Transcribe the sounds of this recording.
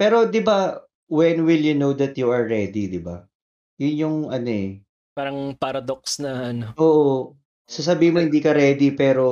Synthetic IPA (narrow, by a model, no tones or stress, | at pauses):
pɛːɾo̞d̪ɪba | wɛnwɪljunowd̪ɐt̪juɐɹːɛd̪id̪ɪba̰ | jʊnjʊŋɐnoɛ | paːɾɐŋpaɾɐd̪ok̚snɐʔɐnoʔoːʔo | sas̬ɐbiːhɪ̃mohɪnd̪iːkɐɾɛːd̪ipɛːɾo̞